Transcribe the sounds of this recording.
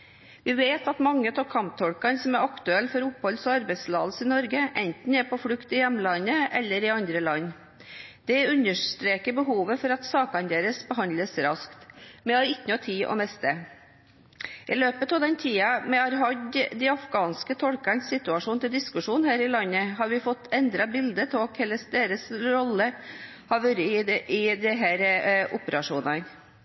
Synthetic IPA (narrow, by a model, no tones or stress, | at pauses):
ʋɪʋeɪt̪ɑt̪mɑŋːət̪ʰɔkʰɑmp̚t̪ʰɔɽkɑnsɔmæɾɑkt̪ʉɛlːfɔɾʊphɔlsɔɑɾbæɪd̪slɑːd̪̩sɪnɔɾɡəʔɛnt̪n̩ɛpɔfɽʉkt̪ɪjɛmːlɑnːəʔɛlːəɾɪɑnd̪ɾəlɑnː | d̪̥ɛʉnəʂt̪ɾeːkəbəɦuːʋəfɔɾɑt̪sɑːkɑnd̪eːɾəsbəɦɑnləsɾɑskt̪mɛɑɾɪkːənɔt̪ʰiːʔɔ̰mɛst̪ə | ʔɪløːpət̪ɑːʋd̪ɛnt̪ʰiːɑmɛɑɾɦɑɟ̪d̪ɛɑfɡɑːnskət̪ʰɔlkəɳsːɪt̪ʉɑʂuːnt̪ʰɪld̪ɪskʉʂuːnhæːɾɪlɑnːəɦɑɾʋɪfɔt̪ːɛnd̪ɾɑbɪld̪ətʰɔkʰɛlːəsd̪eːɾəsɾɔlːə | hɑʋøːɾəɪd̪ɛɦæːɾʔʊpəɾɑʂuːnɑn